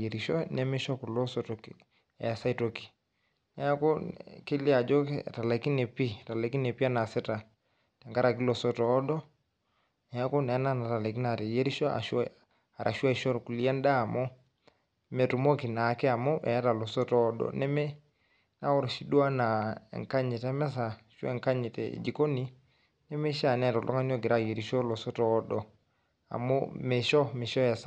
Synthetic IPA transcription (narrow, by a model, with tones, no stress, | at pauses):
e˨ɾi˨ʃɔ˦nɛ˦mɛ˦ʃɔ˦ku˨lo˦sɔ˦tɔ˨k | ɛ˨a˨sa˦i˨˦to˨ki̥˨ | nɛ˨˦a˦ko˦ke˦li˦a˨d͡ʒo˦kta˨la˨ki˦ne˨pi˦ta˨lɛ˨ki˦ne˨pi˦a˦na˨sɛ˦ta˨ | tɛ˨ŋɡa˦ɾa˨k̬i˦lo˨sɔ˦tɔː˨˦ɗɔ˦ | nɛ˨a˦ko˦nɛ˨a˦na˦na˨ta˨lɛ˨k̬i˦na˨ɾe˨je˦ɾi˦ʃɔ˦a̰˨ʃ | a˨ɾʔa˨ʃu˦a˦i˨ʃɔ˦ɾku˨li˦a˦n˦daː˦˨mɔ˦ | mɛ˨tu˨mɔ˦ki˨na˨˦kɛ˦a˨mɔ˦ʔɛ̰˨a˦ta˨lɔ˨sɔ˦tɔ˦ɗɔ̰˨nɛ˦mɛ˦ | na˦ɔ˦ɾɔ˨ʃi˦ɗu˦a˦na̰˨ŋka˦ɲɛ˨tɛ˦mɛ˦s̬a˨ʃwɛ̰˦˨ŋka˦ɲɛ˨tɛ̰˨d͡ʒi˨ko˦ni˦ | nɛ˦mɛ˦ʃa˦˨nɛ˦˨tɔ˨lʔɔ̰˦ŋa˦n˦ɔ˦ɡi˨ɾa˦˨je˨ɾi˨ʃɔ˦lɔ˨sɔ˦tɔː˦ɗɔ˨ | a̰˨mɔ̰˦mɛ˨ʃɔ˦me˨ʃɔ˦ja˨s